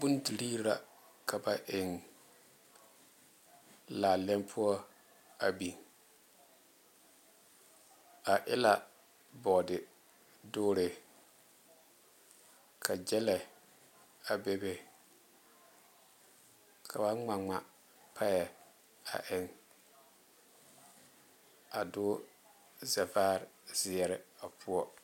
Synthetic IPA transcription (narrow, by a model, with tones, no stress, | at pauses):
bu˦ndi˨ɾiː˦ɾa˨ | kʰa˨ba˦ʔɪ˨ŋ | laː˨lɛ˦mpʰʊ˦ɔ˦ | a˨bi˨ŋ | a˨ʔɪ˦la˨ | bɔ˨dɪ˨ | doː˦ɾɪ˨ | kʰa˨d͡ʒɛ˦lɛ˨ | a˨be˦be˦ | kʰa˨ba˦ŋ͡ma˨ŋ͡ma˨ | pʰa˦jɛ˨ | a̰˨ʔɪ˦ŋ | a˨dʊː˦ | za˨vaː˦ɾz̥ɪ˨ɛ˨ɾɪ˨a˨pʰʊ˦ɔ˦